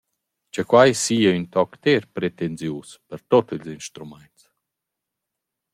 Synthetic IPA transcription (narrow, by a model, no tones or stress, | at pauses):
t͡ʃəkwajsijəynt̪ɔkt̪ɛɾpɾɛt̪ɛnzjuspəɾt̪ɔt̪əlzinʃt̪ɾumɛnt̪s